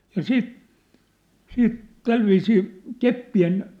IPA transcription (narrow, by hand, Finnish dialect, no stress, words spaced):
jɑ siːt siːt tælʋiːsiː kepːien